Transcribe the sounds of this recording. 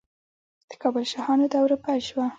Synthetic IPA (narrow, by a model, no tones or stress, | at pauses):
d̪̥ə̥kɑbəlʃɑhɑnod̪əawɾupaʃwa